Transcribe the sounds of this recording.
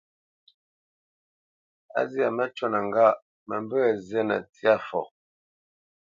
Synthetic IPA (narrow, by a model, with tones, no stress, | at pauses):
a̰˦zi˦a˨mə˦t͡ʃwɔ˦na˨ŋ˨ɡa˦ | mə˨m˦bə˦˨zɛ˦nə̰˨ti˦a˦fɔ̰˨